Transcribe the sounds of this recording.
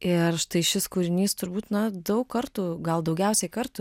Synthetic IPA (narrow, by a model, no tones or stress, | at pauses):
ɪrʃt̪ɐɪʃʲɪskuːɾʲɪnʲiːst̪ʊɾbuːt̪nɐd̪ɐʊkkkɐrt̪uːɡɐlˠd̪ɐʊɡʲɛʊsʲɛɪkɐrt̪u